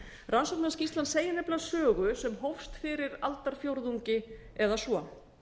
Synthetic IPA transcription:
rʔansɔwk̚nascist̪lanseːjɪnɛplasœːɣʏsɛmɦowfst̪fɪɾɪɾalt̪aɾ̥fjowɾðuɲcɪ | ɛðasɔ

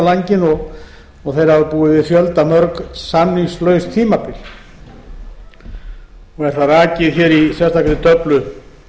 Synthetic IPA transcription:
laɲcɪnɔɣ | ɔθejɾ̥avapuːɪvɪðfjœlt̪amœɾksanːiŋslœːɥst̪ʰiːmapɪl̥ | ɔɣɛɾ̥θaaːcɪðçɛɾisjɛst̪aklɪt̪œplʏ

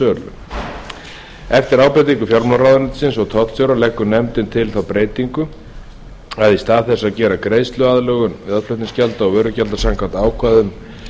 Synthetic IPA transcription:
œːɾlʏ̰ | ɛft̪ɪɾaːwpɾejt̪̬iŋkʏfjalmlarawðaɾnɪ̥sɪnsɔɣt̪ʰɔht̪sjowɾalɛkːʏnɛmt̪ɪnt̪ʰɪlθawpɾeːjt̪iŋkʏ | aðist̪aːðθɛsːaðcɛːɾakɾeːjst̪lʏaðlɛɣʏmɪðaðflœht̪nɪnscalt̪aɔɣvɛːɾʏcalt̪asaŋkʰvant̪aːwkʰvaðʏm

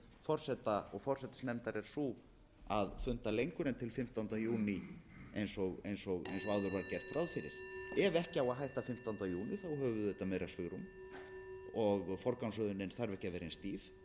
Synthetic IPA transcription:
fɔr̥sɛt̪aɔɣfɔr̥sɛt̪ɪ̥snɛmt̪aɾɛɾ̥su | aðfʏnt̪alejŋkʏɾɛnt̪ʰɪlfɪm̥t̪ant̪ajuːnɪejnsɔɣejnsɔɣḛjnsɔɣaːwðʏɾvaɾcɛɾ̥t̪ɾawðfɪɾɪ̰ɾ̥ɛvɛhcɪawaðɦajht̪afɪm̥t̪awnt̪ajuːnɪθawɦœːvʏðɛt̪amɛːjɾasvʏɣɾum | ɔɣfɔɾkawnsœðʏnɪnθaɾvɛhcavɛːɾɪenst̪iːf

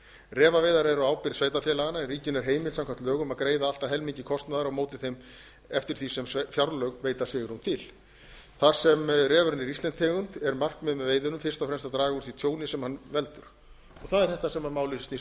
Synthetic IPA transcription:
rɛːvaveːjðaɾɛɾɔaːwpɪɾveːjt̪̬afjɛːlaɣanaɛriːcʏnɛɾ̥ɦeːjmɪlsamkʰam̥t̪lœːɣʏmaðkɾeːjðaalt̪aɦɛlmiɲcɪkʰɔst̪naðaɾawmoːwt̪ɪθejm | ɛft̪ɪɾ̥θisɛmfjawɾlœɣveːjt̪asvɪːɣɪɾumt̪ʰɪl | θḁsɛmrɛːvʏɾɪnːɪɾist̪ɛnt̪ʰːɛːɣʏnt̪ɛɾmar̥kmɛðmɛveːjðʏnʏmfɪrst̪awfɾɛmst̪at̪ɾaːɣauɾ̥θit̪ʰjoːwnɪsɛmhanvɛlt̪ʏɾ̥ | ɔθaðɛɾ̥θɛht̪asɛmhanmaːwlɪsst̪nis

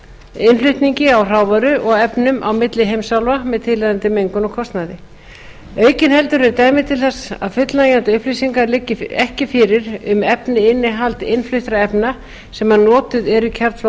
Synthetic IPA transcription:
ɪnflʏht̪niɲcɪawr̥aːwvaɾʏʔɔɣɛpnʏmʔa̰wmɪt̪lɪɦejmsawlvamɛðt̪ʰɪlɛðant̪ɪmejŋkʏnɔɣkʰɔst̪naðɪ | œːɥcɪnhɛl̪t̪ʏɾɛɾt̪aːjmɪðt̪ʰɪlθɛsa̰ðfʏt̪lajant̪ɪʏhplisiŋkaɾlɪcːɪɛhcɪfɪɾɪɾʏmɛpnɪɪnːɪɦalt̪ɪ̰nflʏht̪ɾaɛpna | sɛmanɔːt̪ʏðɛɾicʰɛɾt̪f

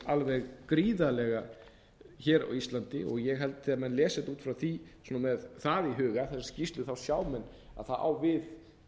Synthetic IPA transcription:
alvɛɣkɾiːðalɛɣa | çɛːɾa̰wist̪lant̪ɪ̰ɔɣjɛɣɦɛlt̪θiːamɛnlɛːsɛt̪uːt̪fɾawθisunamɛðθaðiɦʏːɣaθɛsḁscist̪lʏθawsjaːwmɛnː | a̰ðθaa̰wvɪð

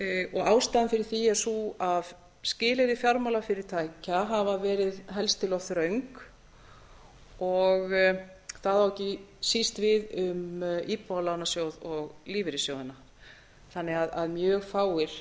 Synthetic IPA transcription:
ʔɔɣaːwst̪aɪmfɪɾɪɾ̥θiɛɾsuað | scɪːlɪɾɪfjaɾmalafɪɾɪɾ̥t̪ʰaːjcaɦavavɛːɾɪðɦɛlst̪ʰɪlɔθɾœɥŋk | ɔɣ | θaðawɛhcɪsist̪vɪðʏmʔiːpɔlanasjoːwðɔɣliːvɪɾɪsjoːwðɪnːa | θanːɪɣaða̰ðmjœːɣfaːwɪɾ̥

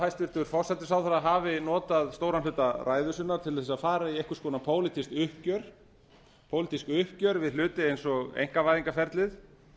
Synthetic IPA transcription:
hajst̪vɪɾ̥t̪ʏʏɾ̥fɔr̥sɛt̪ːɪsawθaɾaɦavɪnɔːt̪aðst̪oːwɾanlʏːt̪arʔaːjðʏsʏnːaɾ̥t̪ʰɪlθɛs̬aðfaːɾaiɛjhkʏ̥skɔːnapʰoːwlɪt̪ist̪ʏhcœɾ̥ | pʰowlɪt̪iskʏhcœɾvɪðl̥ʏːt̪ɪejnsɔɣḛjŋ̥kavajðiŋkafɛɾt̪lɪð

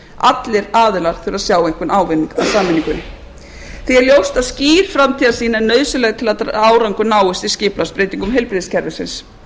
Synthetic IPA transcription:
a̰t̪lɪɾaːðʏlaɾ̥θɛɾaðsjaːwejŋkʏnaːwvɪnːiŋka̰wsaːmɪniŋkʏnɪ | θiɛɾljowst̪aðsciːɾ̥fɾamt̪ʰiːðasiːnanœːɥsʏlɛɣt̪ʰɪlat̪aːwɾawŋkʏnaːwʏst̪iscɪːplaspɾeːjt̪iŋkʏmɦɛjlpɾɪðscʰɛɾvɪsɪ̰ns

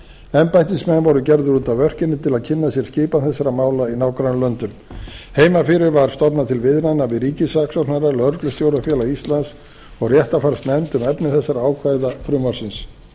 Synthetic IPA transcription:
ɛmpajht̪ɪsmɛnvɔɾʏcɛɾðʏɾuːt̪avœr̥cɪnːɪt̪ʰɪlaðcʰɪnːasjɛɾ̥scɪːpaθɛsːaɾamaːwlainaːwkɾanlœnt̪ʏmheːjmafɪɾɪɾvaɾ̥st̪ɔpnat̪ʰɪlvɪðnanːavɪðɾiːcɪsaksɔnaɾalœɾklʏst̪jowɾafjɛːlaist̪lans | ɔɣrjɛht̪afaɾ̥st̪nɛmt̪ʏmɛpnɪθɛsːaɾaaːwkʰvajðafɾʏmaɾ̥sɪns

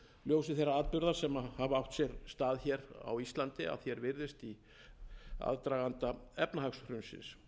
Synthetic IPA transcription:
ljoːws̬ɪθejrːaaːðpʏɾðaɾ̥sɛmahavawht̪sjɛɾst̪aːðçɛɾa̰wist̪lant̪ɪa̰ðθçɛɾvɪɾðɪst̪i | a̰ðt̪ɾaːɣant̪aɛpnaɦaksɾʏnsɪ̰ns

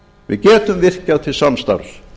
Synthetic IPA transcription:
vɪ̰ðcɛːt̪ʏmvɪr̥caðt̪ʰɪlsanst̪a̰ɾs

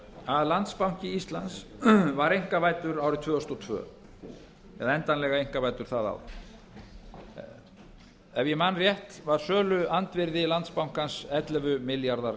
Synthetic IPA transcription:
aðlant̪spawŋ̥cɪist̪lant̪svaɾejŋ̥kavaːjt̪ʏɾaːwɾɪt̪ʰvœːst̪ɔt̪ʰvœ̰ː | ɛ̰ðaɛnt̪anlɛɣaejŋ̥kavaːjt̪ʏɾ̥θaða̰w | ɛvjɛmanrjɛht̪vaɾ̥sœːlʏant̪vɪɾðɪlant̪spawŋ̥kansɛt̪lɛvʏmɪljaɾðaɾ

